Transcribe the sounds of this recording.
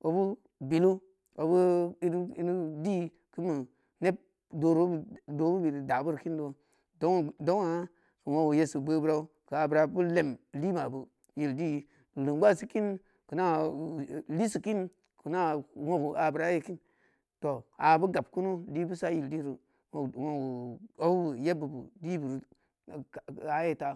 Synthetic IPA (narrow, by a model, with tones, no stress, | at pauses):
o˨bu˦ | bi˨lu˦ | o˨bu˦i˦i˦nu˦di˦ | kɨ˦mɨ˨ | ne˦b̚ | do˨ɾo˦bdo˨bu˦bi˨ɾda˨bu˦ɾki˦ndo˦ | do˦˨do˦ŋa˨˦ | kə˨wo˦ɡu˨je˦sɨ˨bə˦bu˦ɾa˦u˦ | kɨ˨a˨bɾa˨bu˦le˨mli˦ma˨bu˨ | ji˨ldi˦˨ | lɨ˨ŋɡʷa˦˨si˦ki˦n | kə˨na˦ | li˦si˨ki˦n | ku˨na˦wo˦ɡu˨ʔa˨bə˨ɾa˦je˨ki˦n | to˨a˨bu˦ɡa˨b̚ku˦nu˦di˦bu˦sa˦ji˨ldi˦ɾu˨ | o˨wo˨u˨o˦u˦bu˨je˦bu˨bu˨di˦bu˨ɾ | a˨˦je˦ta˦